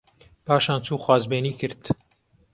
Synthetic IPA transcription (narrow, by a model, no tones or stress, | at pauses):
paːʃaːnt͡ʃuːxwaːzbeːniːkɨɾt̪